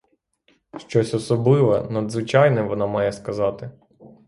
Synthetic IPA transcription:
ʃt͡ʃɔsʲɔsɔblˠɪʋɐnɐd̪zʋɪt͡ʃɑjnɛʋɔnɑmɑjɛskɐzɑt̪ɪ

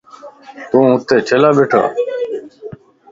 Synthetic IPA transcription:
t̪ũːʊt̪ːeːt͡ʃʰelaːbeːʈʰa̰ː

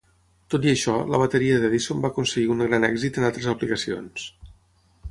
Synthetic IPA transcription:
t̪ot̪iəʃɔlə̰β̞ət̪əɾiəðɛðisombakunsəɣiuŋɡɾanɛɡzit̪ənalˠt̪ɾəzəplikəsio̰ns

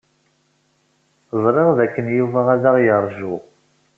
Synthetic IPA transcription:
zˤɾˤeʁðækːənjuvaʁaðaʁjəɾˤʒʊ

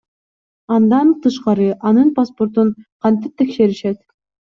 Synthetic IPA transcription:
ɑnd̪ɑnt̪ɯʃqɑɾɯʔɑnɯnpaspo̞ɾt̪unqʰɑnt̪ɯp̚t̪ʰe̞kʃe̞ɾiʃet̪

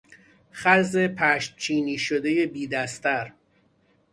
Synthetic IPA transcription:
χæzepʰæʃt̪̚t͡ʃʰiːniːʃod̪e̞je̞biːd̪æst̪æɾ

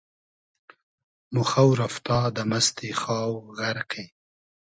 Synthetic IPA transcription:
mʊxawɾaft̪ɑd̪əmast̪exɑːwɣaɾqʰej

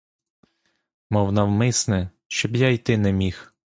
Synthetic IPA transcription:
mɔwnɑwmɪsnɛ | ʃt͡ʃɔbjaijt̪ɪnɛmʲix

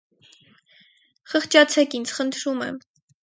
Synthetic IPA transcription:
χəχt͡ʃɑt͡sʰɛkint͡sʰχənt̪ʰɾumɛ̰m

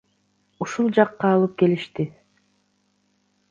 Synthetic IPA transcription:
uʃulˠd͡ʒɑqːɑːlˠɯp̚ke̞liʃt̪i

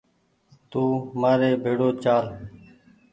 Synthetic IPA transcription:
t̪uːmaːɾeːbʱeːɽoːt͡ʃaːl

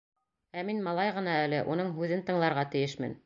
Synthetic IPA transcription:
æminmɑlˠɑjʁɤ̆nɑælɘʔunɤɴɦʉðɘnt̪ɤ̆ɴlˠɑɾʁɑt̪ɘ̆jɘʃmɘ̰n

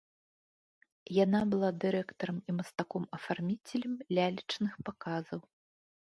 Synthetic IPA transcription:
jan̪abɨlˠad̪ɨɾɛkt̪ɐɾɐmimɐst̪akɔmɐfarmʲit͡sʲelʲɐmlʲalʲit͡ʂnɨxpakazɐw

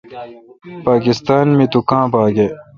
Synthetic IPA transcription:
paːkist̪aːnmẽt̪ukãːpaːɡe

